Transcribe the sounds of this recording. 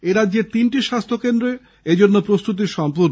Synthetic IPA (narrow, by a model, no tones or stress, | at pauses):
eɾadʑeɾt̪inʈiʃast̪ʰokend̪ɾe | ed͡ʑonːopɾost̪ut̪̬iɾʃɔmpuɾ